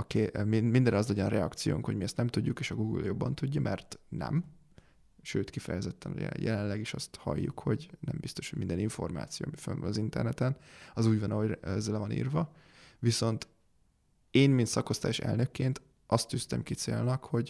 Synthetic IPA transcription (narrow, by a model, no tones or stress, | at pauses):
ɒkemimind̪ɛnɒzlɒɟɒnrɛɒkt̪sijo̰ːŋkhoɟmiɛst̪nɛmt̪uɟːukeːʃɒɡuːɡɨ̰ljo̞bːɒnt̪uɟːɒmʔɛrt̪nɛ̰m | ʃøːt̪kifɛjɛzɛt̪ːɛno̰ɟɛ̰jɛ̰lɛnlɛɡiʃɒst̪hɒ̰jːṵkho̞ɟnɛ̰mbist̪o̞ʃho̥mind̪ɛniɱfo̞rma̰ːt̪sijoːmifø̰nvɒ̰nɒzint̪ɛ̰rnɛt̪ɛnɒzuːɟvɒnɒɦoɛzːɛlɛvɒnḭːrvɒ | viso̞nt̪ | eːnmint̪sɒko̞st̪aːjʃɛ̰lnø̞kːeːnt̪ | ʔɒst̪ːyst̪ɛ̰mkit̪sḛːlnɒkho̞ɟ